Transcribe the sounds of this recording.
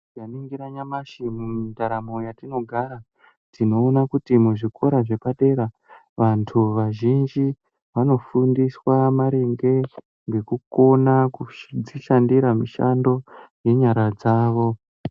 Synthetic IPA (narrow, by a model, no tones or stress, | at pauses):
ɡaniŋɡiɾaɲamaʃimumitaɾamojatino̞ɡʱaɾa | tino̞ːnakutimuʐikʰo̞ɾaʐe̞paɗe̞ɾa | ʋantʰuʋaʒind͡ʒi | ʋano̞fundiswamaɾe̞ŋɡe̞ | ŋɡe̞kuko̞nakud͡ziʃandiɾamiʃa̰ndo̞je̞ɲaɾad͡zaːʋo̞